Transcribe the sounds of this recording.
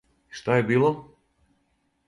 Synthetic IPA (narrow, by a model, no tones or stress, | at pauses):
iʃt̪ajɛbiːlˠɔ